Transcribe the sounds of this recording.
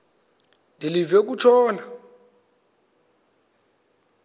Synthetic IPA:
ndʱilivɛk̬ut͡ʃʰɔːna

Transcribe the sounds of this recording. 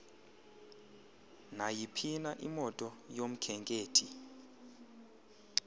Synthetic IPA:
najipʰinaʔimɔtʼɔjom̩kʰɛŋkʼeːtʰi

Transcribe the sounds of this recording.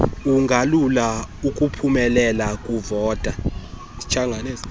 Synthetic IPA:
uŋʱalulaukʼupʰumɛlɛlakʼuvɔːtʼa | it͡ʃʰaŋɡʱaneːs

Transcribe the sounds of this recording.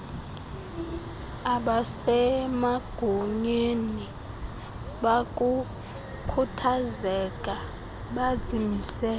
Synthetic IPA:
aɓasɛmaɡ̥ʱuɲeni | ɓakʼu | kʰutʰazɛkʼa | ɓad̥z̥ʱimisɛːl

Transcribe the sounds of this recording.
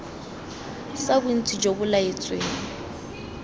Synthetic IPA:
sabʊn̩t͡sʼid͡ʒobʊlaet͡sʼweŋ̩

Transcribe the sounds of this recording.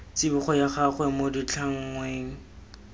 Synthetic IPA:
t͡sɪbʊχɔjaχaχwɛmodit͡ɬʰaŋ̩ŋweːŋ̩

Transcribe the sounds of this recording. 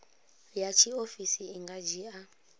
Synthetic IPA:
jat͡ʃʰiofisiːŋɡad͡ʒia

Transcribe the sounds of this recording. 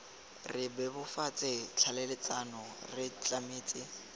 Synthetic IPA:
rɪbɛbʊfat͡sʼɪt͡ɬʰalɛlɪt͡sʼanɔrɪt͡ɬʼamɪːt͡sʼɪ

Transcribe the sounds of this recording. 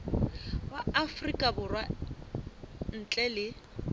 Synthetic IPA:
baafrikʼabʊrwa | n̩t͡ɬʼɛlɪ

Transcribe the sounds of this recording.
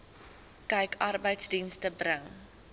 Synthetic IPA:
kɛjkʰɐrbəjtsdinstəbrəŋ

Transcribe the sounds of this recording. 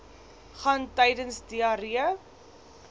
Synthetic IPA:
χɐntɛjdənsdiɑɾiə

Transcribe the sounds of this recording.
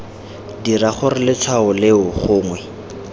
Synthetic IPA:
diraχʊɾɪlɪt͡sʰwaʊlɪʊχʊːŋwɛ

